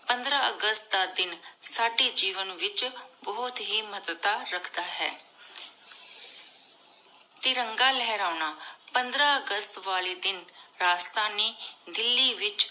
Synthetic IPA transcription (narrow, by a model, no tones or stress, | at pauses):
pənd̪ɾaːəɡəst̪̚d̪aːd̪ɪnsaːɖeːd͡ʒiːʋənʋɪt͡ʃbɔːt̪ɦiːmət̪t̪aːɾəkʰd̪aːɦɛ̰ː | t̪eːɾəŋɡaːlɛːɾaːnaːpənd̪ɾãːəɡəst̪ʋaːleːd̪ɪnɾaːst̪aːneːd̪ɪlːiːʋɪt͡ʃ